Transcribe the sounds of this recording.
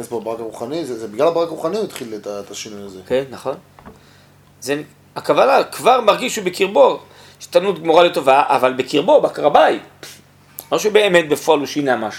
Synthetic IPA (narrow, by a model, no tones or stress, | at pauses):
esboabaʁakaʁuχanizezebiɡlalabaʁakaʁuχaniit̪χilet̪aet̪aʃinujazekenːaχo̞n | zen | akavanakvaʁmaʁɡiʃubekiʁboʁ | ʃe̥t̪anut̪̚ɡmoʁalet̪o̞vaʔa̰valbekiʁbo̞bakaʁabaj | loʃeubeːmet̪̚befoaluʃinamaʃu